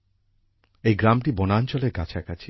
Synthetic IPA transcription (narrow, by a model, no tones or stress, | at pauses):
ejɡɾamʈibonaːnt͡ɕoleɾɡat͡ɕʰakat͡ɕʰi̥